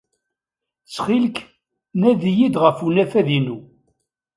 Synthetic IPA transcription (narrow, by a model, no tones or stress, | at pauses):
t͡sːχilk | næðijid̪ʁəfunæfæðinu